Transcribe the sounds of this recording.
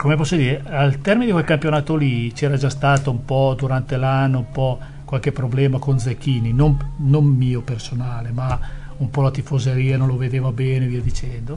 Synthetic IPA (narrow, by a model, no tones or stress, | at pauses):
komepɔsːod̪iːɾealt̪ɛrmined̪ikwelkampjonaːt̪olit͡ʃɛːɾad͡ʒast̪aːt̪oumpɔd̪uɾant̪elanːoumpɔ | kwalk̟epːɾoblɛːmakonzekːiːninomnomːiːopersonaːlema | umpɔlat̪ifozeɾiːanõnloved̪eːvabɛːneviːad̪it͡ʃɛnd̪o